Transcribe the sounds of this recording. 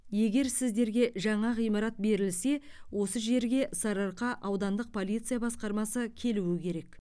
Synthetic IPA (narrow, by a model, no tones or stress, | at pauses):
je̞ɡʲe̞ɾsɪzd̪e̞ɾɡʲe̞ʒɑɴɑʁijmɑɾɑt̪̚be̞ɾɪlse̞ | wʔo̞səʒe̞ɾɡʲe̞ʔsɑɾɑɾqɑʔɑwd̪ɑnd̪əq̚pʰo̞lʲijt̪sɨjabɑsqɑɾmɑsəkʲʰe̞luwɪkʲʰe̞ɾek